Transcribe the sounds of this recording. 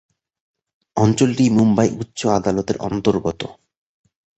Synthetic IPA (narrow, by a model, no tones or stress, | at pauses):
ɔnt͡ɕolʈimumbajʔutːɕoad̪alot̪eɾʔɔ̰nt̪oɾɡɔt̪o̰